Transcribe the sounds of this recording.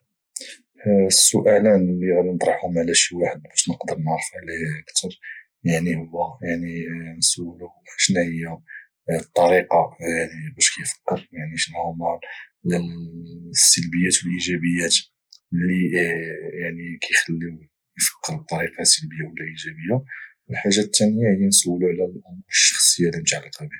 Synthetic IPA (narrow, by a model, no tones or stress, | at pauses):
sːʊʔælænliɣælint̪ˤɾˤɑħhʊmʕlæʃiwaħəd̪̚bæʃnəqd̪əɾˤnəɾˤfʕlihəkt̪ʰəɾˤ | jaʕnihʊwːæjaʕninsuwːəluʔəʃnæhəjːa | t̪ˤːɑɾiqɑjaʕnibæʃkæjfə̥kːəɾjaʕniʃnʕɑmɑ | sːəlbəjːæt̪wəlʔiʒæbəjːæt̪ | li | jaʕnikʰæjxəlːiw | jfə̥kːəɾˤb̚t̪ˤːɑɾiqɑsəlbəjːawəlːæʔiʒæbəjːa | əlħaʒːat̪ːænəjːahəjænsəwːəluʕlællʔæməʃːɑxsˤəjːalimt̪ʕliqɑbi